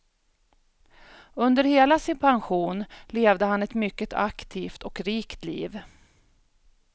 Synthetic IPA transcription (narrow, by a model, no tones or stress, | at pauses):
ɵnd̪əɾheːlasɪnpʰanɧuːnleːvd̪əhanɛt̪mʏkːət̪ʰa̰kt̪ʰiːft̪ʰɔkɾiːkt̪lḭːv